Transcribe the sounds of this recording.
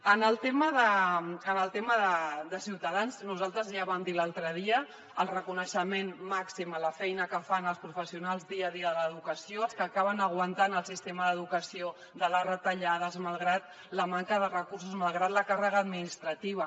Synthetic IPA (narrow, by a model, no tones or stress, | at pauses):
ənəlˠt̪eməðəənəlˠt̪eməðəd̪əsiwt̪əðanznuzalˠt̪ɾəzʒaβamd̪ilalˠt̪ɾəðiə | əlˠrəkunəʃəmenmaksimələfɛjnəkəfanəlˠspɾufəsiunalˠzðiəðiəðələðukəsioəlˠskəːkaβənəɣ̞wənt̪anəlˠsist̪eməðəðukəsio | ðələrət̪əʎað̞əzmalˠɣɾat̪̚ | ləmaŋkəðərəkurs̬uzmalˠɣɾat̪ləkarəɣəːd̪minist̪ɾət̪iβə